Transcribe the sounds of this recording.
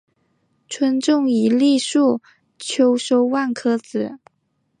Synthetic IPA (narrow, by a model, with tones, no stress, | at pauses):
ʈ͡ʂʰwə˥nʈ͡ʂʊ˥˩ŋi˧˥li˥˧ʂu˥˩ | t͡ɕʰjo˥ʊʂo˥ʊwa˥˩nkʰɤ˥t͡sɹ̩˨˩˦